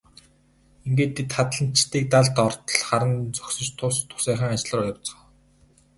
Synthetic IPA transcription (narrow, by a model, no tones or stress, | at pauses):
iŋɡeːt̪ʰːit̪χat̪ɮə̆n̥t͡ɕt̪iːk̚t̪aɮt̪ɔrt̪̆ɮχaɾə̆nt͡sɵksɵ̆t͡ɕt̪ʰʊst̪ʰːʊ̥sæːχə̆ːŋat͡ɕɮə̆rʊjɞ̆wt͡sɞ̆